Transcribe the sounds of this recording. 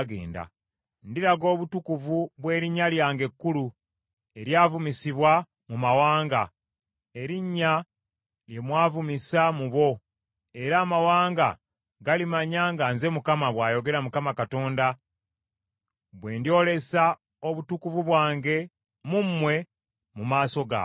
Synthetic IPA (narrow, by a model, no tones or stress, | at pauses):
ɡḛːnda̰ | ndiɾaɡo̞ːβutukuvuβwe̞ːɾiɲːaljaːŋɡe̞kːulu | e̞ɾjaːvumisiβwa | mumawaːŋɡa | e̞ɾiɲːa | lje̞mwaːvumisamuβo̞ | e̞ɾaːmawaːŋɡa̰ | ɡalimaɲaŋɡanze̞mukamaβwaːjo̞ɡe̞ɾamukamakato̞ːnda | βwe̞ːndio̞le̞sa | o̞βutukuvuβwaːŋɡe̞ | mumːwe̞ | mumaːso̞ɡa̰